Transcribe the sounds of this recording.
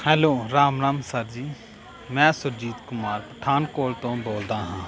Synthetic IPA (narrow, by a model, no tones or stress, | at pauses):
hɛːloːɾaːmɾaːmsəɾd͡ʒiː | mɛ̃ːsʊɾd͡ʒiːt̪kʊmaːɾpəʈʰaːnkoːlt̪õːboːld̪aːɦãː